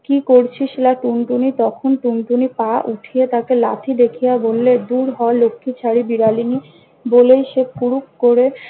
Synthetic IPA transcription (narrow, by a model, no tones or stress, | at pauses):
kikoɾt͡ɕʰiʃelaʈunʈunit̪ɔkʰonʈunʈunipaʔuʈʰijet̪akela̰t̪ʰid̪ekʰijabolːed̪uɾɦɔelokʰːit͡ɕʰaɾibiɾalini | bolejʃepuɾukkoɾe